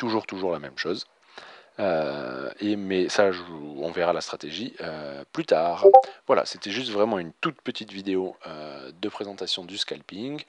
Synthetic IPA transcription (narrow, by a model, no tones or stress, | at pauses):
t̪uʒuʁt̪uʒuʁlamɛmʃoːz | ø | emɛsaʒɔ̃veʁalast̪χat̪eʒiøplyt̪aːʁvwala̰set̪ɛʒys̬t̪vʁɛmɑ̃ynt̪ut̪̚pət̪it̪vid̪eoød̪əpχezɑ̃t̪asjɔ̃d̪yskʲa̰lpiŋ